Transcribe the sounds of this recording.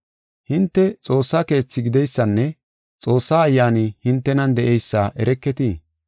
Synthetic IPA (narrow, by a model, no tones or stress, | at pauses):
hɪnt̪ːɛt͡sʼo̞ːsːake̞ːt͡sːɪɡɪd̪ɛjsːɐnːɛ | t͡sʼo̞ːsːaːjːaːnɪhɪnt̪ːɛnɐnd̪ɛʔɛjsːaʔɛɾɛkːɛt̪iː